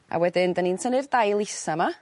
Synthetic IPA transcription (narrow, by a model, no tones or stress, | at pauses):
a̰wɛdɪndəninsʰənɪrdajlˠɪsama